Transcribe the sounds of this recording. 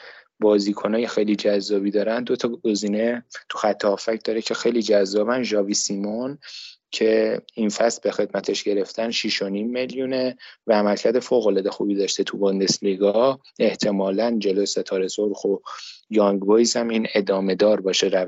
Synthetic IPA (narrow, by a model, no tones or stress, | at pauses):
bɒːziːkʰo̞nɒːjexe̞jlid͡ʒæzːɒːbiːd̪ɒːɾænd̪d̪o̞t̪ʰɒɡ̥o̞ziːne̞t̪ʰu̥xæt̪ʰːɒːfæcʰd̪ɒːɾecʰe̞xejliːd͡ʒæzːɒːbænʒɒːviːsimoncʰe̞infæst̪̚bexe̞d̪mæt̪ʰeʃɟe̞ɾe̞ft̪ʰænʃiʃo̞niːmːe̞ljune̞vææmælcʰæɾd̪e̞foːɣo̞lɒːd̪exṵbiːd̪ɒʃt̪e̞t̪ʰubond̪e̞sliɡɒ | e̞ht̪ʰe̞mɒːlænd͡ʒe̞lojset̪ʰɒːɾe̞soɾxo̞jɒŋɡbojshæmiːne̞d̪ɒːme̞d̪ɒːɾbɒːʃeɾæ